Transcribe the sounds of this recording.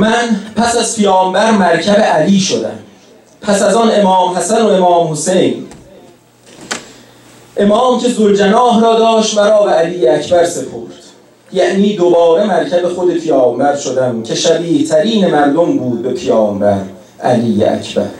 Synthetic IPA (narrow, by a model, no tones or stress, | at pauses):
mænpʰæsæzpʰijɒːmbæɾmæɾcʰæbe̞ʔæliːʃod̪æ̰m | pʰæsæzɒne̞mɒːmhæsæno̞e̞mɒːmho̞se̞jn | ʔe̞mɒːmcʰe̞zold͡ʒenɒːɦɾɒːd̪ɒːʃt̪mæɾɒːbeæliːjeæcʰbæɾse̞pʰo̰ɾd̪̥ | jæʔniːd̪obɒːɾe̞mæɾcʰæbe̞xo̞d̪e̞pʰejɒːmbæɾʃo̞d̪æmcʰe̞ʃæbiːht̪ʰæɾiːne̞mæɾd̪ombuːd̪̚be̞pʰejɒːmbæɾ | ʔæ̰liːjḛæ̰cʰbæ̰ɾ